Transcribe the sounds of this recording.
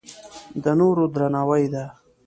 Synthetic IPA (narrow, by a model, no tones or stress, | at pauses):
d̪ənoɾod̪ɾanaːwajd̪a